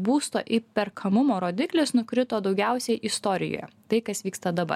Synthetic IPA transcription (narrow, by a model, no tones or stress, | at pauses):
buːst̪o̰ːʔɪpʲɛɾkʰɐmʊmoːɾoːd̪ʲɪklʲɪsnʊkɾʲɪt̪oːd̪ɒʊɡʲæˑʊsʲɛɪʔɪst̪oːɾʲɪ̰jo̰ːjɛ̰t̪ɐɪkɐsʋʲiːkst̪ɐd̪ɐbɐ̰